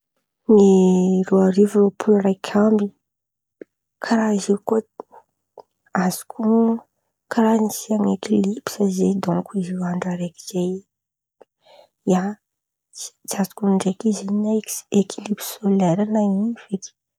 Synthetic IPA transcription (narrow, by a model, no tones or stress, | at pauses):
miɾoaɾivuropʰulrajkʲʰambi | kʰaɾaiziwko | azi̥kʰu | kaɾanisiaŋekilipi̥sazed̪ɔ̃ŋkuiziwaɳɖ͡ʐaɾeki̥z̥aj | jḁ | d͡ʒazi̥kuɳɖ͡ʐekiziɲnakekilipi̥soleɾanaiv̥et̪i̥